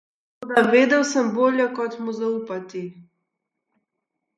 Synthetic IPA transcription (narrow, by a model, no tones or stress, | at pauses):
od̪aved̪awsəmbolʲjɛkɔt̪muzaupat̪i